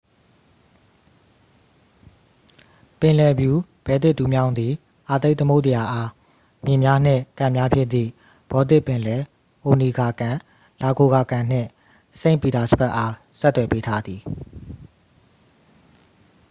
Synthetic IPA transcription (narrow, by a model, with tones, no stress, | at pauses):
pɪ̃˨lɛ˨bju˨bɛ˨t̪ɪ˦ʔt̪u˨mjã˦ʊ̃nd̪i˨ | ʔa˨t̪e˦ɪʔt̪ə˦mo˦ʊʔtə˨ja˨ʔa˦ | mjɪ̃˨mja˦n̥ɪ̰̃˦˨kã˨mja˦pʰjɪ˦ʔ̪t̪ḭ˦˨ | b̥ɔ˨t̪ɪ˦ʔpːɪ̃˨lɛ˨ | ʔo˨ni˨ɡa˨kã˨ | la˨ɡo˨ɡa˨kã˨n̥ɪ̰̃˦˨ | sẽ˦˨mpi˨d̪a˨səbɛ˦ʔa˦ | sɛ˦t̪ːwɛ˨pe˦tʰa˦d̪i˨